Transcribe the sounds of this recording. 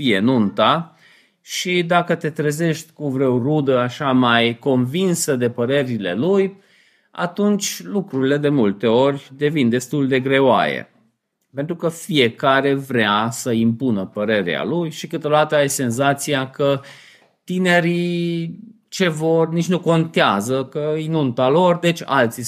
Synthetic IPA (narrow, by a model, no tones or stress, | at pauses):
fije̞nunt̪a | ʃid̪akət̪e̞t̪ɾeze̞ʃt̪ʲkuvɾe̞wrud̪əaʃamajko̞nvinsəd̪e̞pəɾe̞ɾileluj | a̰t̪unt͡ʃʲlukɾuɾile̞d̪e̞mult̪e̞o̞rʲd̪e̞vind̪e̞st̪uld̪e̞ɡɾe̞owa̰jḛ | pent̪ɾukəfije̞kaɾe̞vɾeasəimpunəpəɾe̞ɾḛa̰lujʃikɨt̪od̪at̪əajse̞nzat̪siakə | t̪ine̞ɾi | t͡ʃe̞vo̞rnit͡ʃnuko̞nt̪eazəkəinunt̪alo̞rd̪e̞t͡ʃʲa̰lt̪si